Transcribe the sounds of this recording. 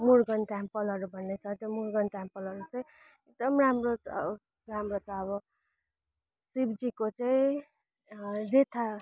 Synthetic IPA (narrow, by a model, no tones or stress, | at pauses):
muɾɡʌnʈampʌlʌɾubʱʌnːet͡sʰʌt̪jomuɾɡʌnʈampʌlʌɾut͡saĩ | ek̚d̪ʌmramro | ramrot͡sʰʌːβʌ | sibd͡zikot͡saĩ | ɾet̪ʰa